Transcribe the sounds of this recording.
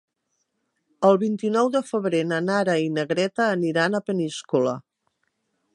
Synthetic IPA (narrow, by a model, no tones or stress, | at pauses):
əlˠβint̪inɔwðəfəβɾenənaɾəinəɣɾɛt̪əːniɾanəpəniskulə